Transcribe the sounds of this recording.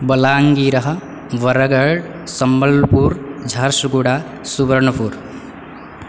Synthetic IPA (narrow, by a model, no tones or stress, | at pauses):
bɐlaːŋɡiɾɐɦɐ̆ | ʋɐɾɐɡɐɭ | sɐmbɐlpuːɾd͡ʒʱɐɾʃɡuɽaː | subəɾɳɐpuɾ